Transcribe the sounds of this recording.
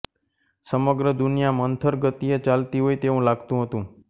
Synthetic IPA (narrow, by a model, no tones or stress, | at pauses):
səməɡɾəd̪unjamənt̪ʰəɾɡət̪ijet͡ʃalt̪iɦojt̪eũlaɡt̪ũɦət̪ũ